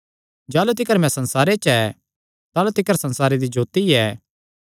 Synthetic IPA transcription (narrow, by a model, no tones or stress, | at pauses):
d͡ʒaːlut̪̬ɪkəɾmɛ̃sɐ̃nsaːɾet͡ʃɛ | t̪aːlut̪ɪkəɾsɐ̃nsaːɾed̪id͡ʒoːt̪iɛː